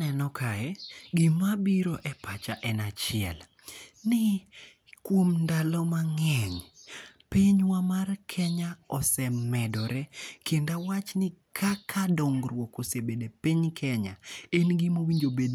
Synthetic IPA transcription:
nɛnɔkʰaɛɡɪmabiɾoʔɛpat͡ʃaʔɛnat͡ʃɪɛ̰l | nɪ | kwomndalɔmaŋɛɲpiɲwamarkʰɛɲaɔsɛmːɛdɔɾɛkʰendawat͡ʃnɪkʰakʰadɔŋɡɾwokosebedepiɲkʰɛɲa̰enɡimowiɲd͡ʒobed

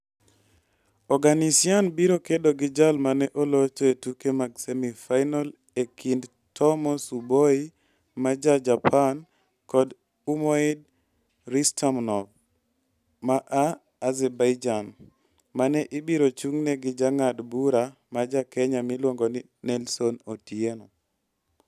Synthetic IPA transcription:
ɔɡanisianbiɾokedoɡɪd͡ʒalmanɛʔolot͡ʃoetukemaɡsemifajnal | ekʰind | tʰɔmɔsuboi | mad͡ʒad͡ʒapʰan | kɔd | umɔid̚ | ɾistʰamnɔv | maʔaː | zɛbajd͡ʒan | manɛʔɪbiɾot͡ʃuŋnɛɡɪd͡ʒaŋadbuɾa | mad͡ʒakɛɲamilwoŋɡoni | nɛlsonotjenɔ

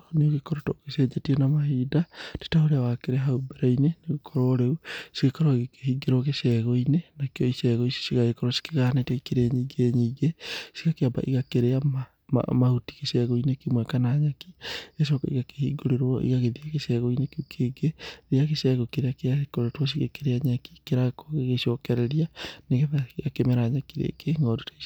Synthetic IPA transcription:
neoɣekoɾotokesɛd͡ʒetienamahidate̥tahoɾeawakeɾeɦaubeɾaineneɣekʰoɾoːɾeusikekoɾoɣekehiɡeɾwokesɛɣoinenakioisɛːɣoiso̥siɣaɣekoɾosi̥keɣanetekeɾeɲiɡeɲiɡesi̥ɣakeaba̰ʔiɣakeɾeama | ma̰mahuti̥kesɛɣoinekimwɛkanaɲakies̬okaiɣake̥hiɡoɾeɾwɔʔḭɣaɣeðiaɣesɛɣoinekukeɡeɾeaɣesɛɣokeɾeakeaekoɾetwos̬iɣekeɾeaɲaki̥keɾakoɣeɣeʃɔkɛɾɛɾianeɣeβaɣakemeɾaɲakiɾḛkeŋɡɔdutae

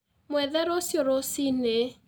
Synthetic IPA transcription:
mwɛðɛɾosjoɾosine

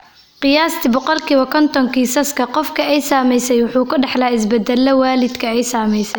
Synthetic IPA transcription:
qɨjaːst̪ʰɪbʊqɔlkʰiwɐkʰɔnt̪ɔŋkiːsɐskʰɐqɔfkʰɐɛjsaːmɛjsɛjwʊħuːkʊɖɑħlɐaːɪs̬bɐd̪ɐlːɐwaːlɪd̪kʰɐɛjsaːmɛjsɛj

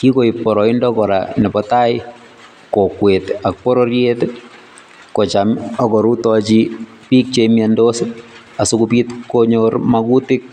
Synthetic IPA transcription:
kikoipɔɾɔindɔkɔɾa̰nɛpɔtaj | kokwetak̚pɔɾoɾjet | kɔt͡ʃamɔkɔɾutɔt͡ʃi | pik̚t͡ʃemjandos | asukupitkoɲoɾmakutɪk̚

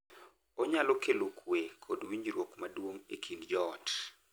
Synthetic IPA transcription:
oɲalokelokʰwekʰodwiɲd͡ʒɾwokmadwoŋekʰiŋd͡ʒɔt

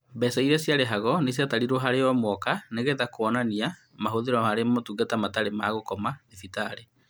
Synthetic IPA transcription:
bɛsaiɾɛsjaɾeɦaɣɔnesjataɾiɾoɦaɾeɔmwɔkaneɣeðakoɔnania | maɦoðeɾɔhaɾemotuːɡatamataɾemaːɣokɔmaefitaɾe

